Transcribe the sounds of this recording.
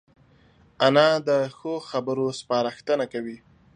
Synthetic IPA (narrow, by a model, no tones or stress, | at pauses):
anɑd̪əxoxabəɾospɑɾaxt̪ənakawi